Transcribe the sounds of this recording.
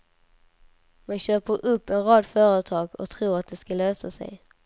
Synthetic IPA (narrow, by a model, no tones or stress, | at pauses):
manɕøːpəɾʔɵpːɛnɾɑːd̪fœːɾət̪ʰɑːɡɔ̰k̚t̪ʰɾuːɾat̪̚d̪ɛskaløːsasɛ̰j